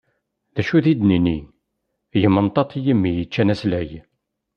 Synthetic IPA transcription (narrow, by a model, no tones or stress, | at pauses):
ðæʃuðid̪ninḭ | jəmːənt̪ˤːɑt̪ˤijəmːijət͡ʃːænæslæj